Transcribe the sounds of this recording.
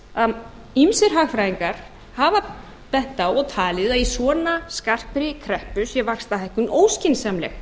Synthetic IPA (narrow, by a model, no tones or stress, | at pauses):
a | imsɪɾ̥ɦaɣfɾajiŋkaɾ̥ | hava | pɛht̪awɔɣt̪ʰaːlɪðaðjɛsɔːnaskar̥pɾɪkʰɾɛhpʏsjɛvakst̪aɦajhkʏnoːwscɪnsamlɛ̰x